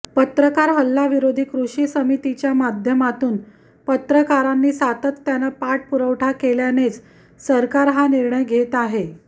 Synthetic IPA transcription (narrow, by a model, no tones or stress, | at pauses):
pət̪ɾəkaɾɦəlːaʋiɾod̪ʱiːkɾuʂiːsəmit̪it͡ɕjamad̪ʱjəmat̪uːn | pət̪ɾəkaɾanːiːsat̪ət̪ːjanapaʈ̚puɾəʋʈʰakeljanet͡s | səɾkaɾɦaniɾɳəjɡʱet̪aɦe